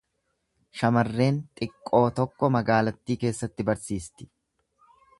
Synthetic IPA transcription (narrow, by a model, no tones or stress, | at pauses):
ʃɐmɐrːe̞ːnt̪ʼɪkʼːo̞ːt̪ɔkːɔmɐɡaːlɐt̪ːiːke̞ːsːɐt̪ːɪbɐɾsiːst̪ɪ̥